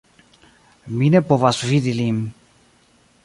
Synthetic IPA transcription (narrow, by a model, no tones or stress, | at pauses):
minepovasviðilim